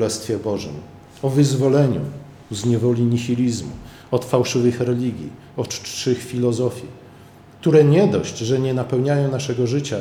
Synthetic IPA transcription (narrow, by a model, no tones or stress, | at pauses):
lɛst̪fʲjɛbɔʐɘ̰m | ɔvɘzvɔlɛɲṵ | zɲɛvɔlʲiɲixʲilʲizmṵ | ɔt̪fawʂɘvɘxɾɛlʲiɡʲjḭ | ɔt͡ʂɘxfʲilɔzɔfʲji | k̚t̪uɾɛɲɛd̪ɔɕd͡ʑʐɛɲɛnapɛwɲajɔ̃w̃naʂɛɡɔʐɘt͡ɕa